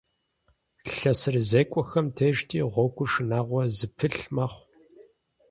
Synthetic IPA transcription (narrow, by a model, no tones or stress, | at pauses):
ɬɐsɨrzeːkʷʼɔxɐmtʰeʒtʰiːʁʷɔɡʷʊʂɨnaːʁʷɔzɨpʰɨɬmɐχʷ